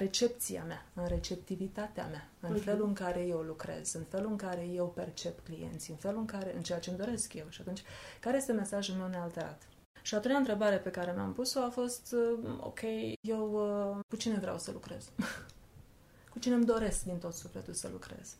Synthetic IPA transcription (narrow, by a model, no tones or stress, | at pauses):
ɾe̞t͡ʃe̞p̚t̪sia̰meaɨnɾe̞t͡ʃe̞p̚t̪ivit̪at̪ea̰ma | ɨnfe̞luɨŋkaɾe̞je̞wlukɾe̞̰z̥ɨnfe̞luɨŋkaɾe̞je̞wpe̞rt͡ʃe̞pklije̞̰nt̪siɨnfe̞luɨŋkaɾe̞ɨ̰nt͡ʃejat͡ʃe̞md̪o̞ɾe̞skje̞wʃiat̪unt͡ʃʲkaɾeje̞st̪e̞me̞saʒulme̞wnealt̪e̞ɾa̰t̪ | ʃiat̪unaɨnt̪ɾe̞baɾe̞pe̞kaɾe̞mea̰mpuso̞afo̞st̪o̰kʲʰe̞jje̞wkut͡ʃine̞vɾea̰wsəlukɾe̞̰z̥ | kut͡ʃine̞md̪o̞ɾe̞skd̪int̪o̞t̪sufle̞̰t̪ulsə̰lukɾe̞̰z̥